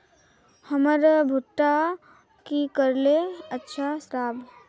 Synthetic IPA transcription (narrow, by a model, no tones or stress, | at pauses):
həməɾbʱuʈːa | kikəɾleətːʃʰasɾaːb